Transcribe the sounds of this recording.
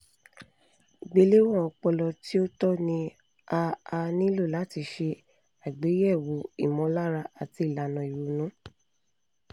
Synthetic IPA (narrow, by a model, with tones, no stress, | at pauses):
ɡ͡be˨˦le˦wɔ̃˦˨ɔ˧k͡pɔ˧lɔ˧ti˦o˦tɔ˦nĩ˧ | a˧a˧nĩ˦lo˦˨la˨˦ti˧ʃe˧ | a˨ɡ͡be˨˦jɛ˦˨wo˨˦ḭ˦˨mɔ̃˨˦la˦ɾa˧ʔa˨ti˧i˨la˨nã˨i˨ɾu˨nũ˨˦